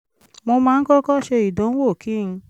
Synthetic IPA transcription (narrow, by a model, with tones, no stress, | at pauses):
mo˧mãː˧n̩˦kɔ˦kɔ˦˨ʃe˧i˨dõ˨˦n̩˦wo˦˨kʰi˦˨˧